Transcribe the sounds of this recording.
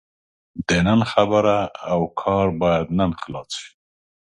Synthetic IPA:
d̪enanxabəɾaːwkʰɑɾbɑjad̪nanxlɑsʃi̥

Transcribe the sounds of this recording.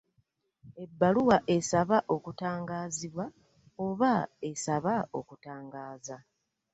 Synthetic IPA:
e̞bːaluwaʔe̞saβaʔo̞kutaːŋɡaːziβwa | oβae̞saβaokutaːŋɡaːza

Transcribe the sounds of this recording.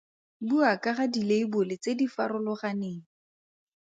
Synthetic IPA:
buakaχadileibʊlɪt͡sedifaɾʊlʊχaneːŋ̩

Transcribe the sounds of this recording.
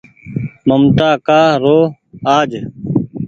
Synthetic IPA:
məmt̪aːkaːɾoː | aːd͡ʒ

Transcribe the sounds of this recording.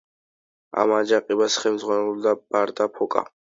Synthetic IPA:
a̰mad͡ʒaqʼibasχɛmzʁwanɛluld̪ab̥aɾd̪apʰɔkʼa̰

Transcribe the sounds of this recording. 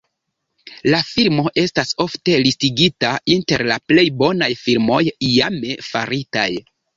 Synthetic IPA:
lafilmo̞ʔe̞staso̞fte̞listiɡitainte̞ɾlaple̞jbo̞najfilmo̞jjame̞fa̰ɾita̰j

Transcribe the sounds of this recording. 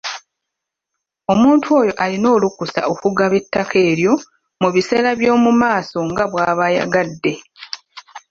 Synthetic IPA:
o̞muːntʰwo̞ːjo̞ʔalino̞ːlukusa̰o̞kuɡaβe̞tːakʰe̞ːɾjo̞ | muβise̞ɾaβjo̞ːmumaːso̞ŋɡaβwaːβaja̰ɡadːe̞

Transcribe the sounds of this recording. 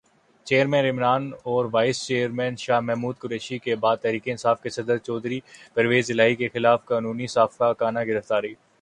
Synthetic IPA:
t͡ʃeːəɾmɛ̃ːnɪmɾaːnɔːɾʋaːɪst͡ʃeːəɾmɛ̃ːnʃaːɦmɛɦmuːd̪̚kʊɾeːʃikebaːd̪̚t̪ɛɦɾiːkeɪ̃nsaːfkesɐd̪əɾt͡ʃɔːd̪ɾipɐɾʋeːzɪlaːɦikexɪlaːfkaːnuːnisaːfkakaːnaɡɪɾəft̪aːɾeiː

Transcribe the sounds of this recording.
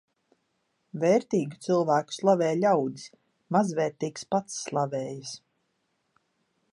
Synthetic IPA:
vɛːɾt̪iːɡi̥t̪silˠvæːku̥slˠavɛːjlʲawd̪i̥s | mazvɛːɾt̪iːkspat̪sːlˠavɛːjis

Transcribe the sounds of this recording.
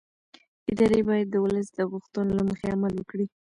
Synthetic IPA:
ɪd̪ɑɾebɑjad̪ːəwʊləs̬d̪əɣʊxt̪unlaməxeamalwəkɽi

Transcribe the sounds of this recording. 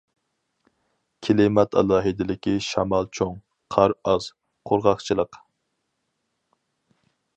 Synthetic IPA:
kʲʰelɪmɛt̪ʰɑ̰lˠɑːɦɨd̪ɪlɪkʲiʃɑmɑlˠt͡ʃʰoŋ | qʰɑɾɑz | qʰoɾʁɑχt͡ʃʰilˠəq

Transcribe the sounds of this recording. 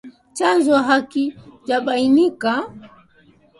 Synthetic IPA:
t͡ʃand͡ʒɔɦakit͡ʃaɓainika

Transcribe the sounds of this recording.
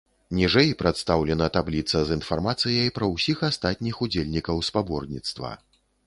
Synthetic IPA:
nʲiʐɛjpɾat̪st̪awlʲɛnɐt̪ablʲit̪sɐzinfarmat̪sɨjɐjpɾɐwsʲixast̪at̪̚ʲnʲixud͡zʲelʲnʲikɐwspabɔrnʲit̪st̪vɐ̰

